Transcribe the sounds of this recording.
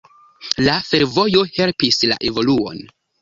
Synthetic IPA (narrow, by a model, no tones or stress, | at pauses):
lafe̞ɾvo̞jo̞he̞lpisla̰ʔe̞vo̞luo̞̰n